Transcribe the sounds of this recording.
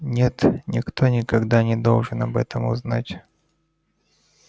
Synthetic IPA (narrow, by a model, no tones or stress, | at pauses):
nʲet̪nʲɪkt̪onʲɪkɐɡd̪anʲɪd̪o̞̰lˠʐɨnɐbɛt̪əmʊznatʲ